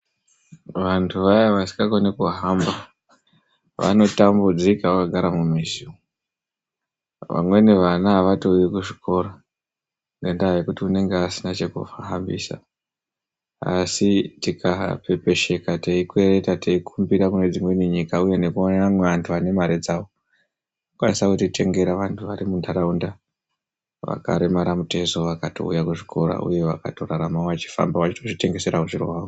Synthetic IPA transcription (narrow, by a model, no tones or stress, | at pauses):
ʋantʰuʋajaʋasi̥ŋɡakonekuɦamba | ʋa̰no̞tambud͡zikaʋakaɡʱaɾamumizio | ʋa̰mwe̞neʋanaɦaʋato̞ujekuʐikʰo̞ːɾo | ŋɡendaɦajekutiune̞ŋɡeasinat͡ʃe̞kṵfaɦambḭːsa̰ | a̰sitikʰape̞pe̞ʃe̞kateikue̞re̞tateikʰumbiɾakune̞d͡zimwe̞iniɲikauje̞ne̞kuonaamwe̞ʋantʰuane̞maɾed͡zaʋo | nokwanisakutitʰe̞ŋɡe̞ɾaʋantʰuʋaɾimundaɾaunda | ʋa̰ka̰ɾemaɾamute̞zo̞ʋakato̞̰ṵjakuʐikʰo̞ɾa̰ʔṵje̞ʋaka̰to̞raɾamaoʋat͡ʃi̥fa̰mbaʋat͡ʃitoʐite̞ŋɡe̞se̞ɾakuʐiro̰ɦako